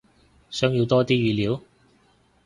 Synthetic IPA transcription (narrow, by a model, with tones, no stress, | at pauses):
sœː˨˥ŋji˨˧wt̪ɔː˥t̪iː˥ɥyː˨˧liː˨˥w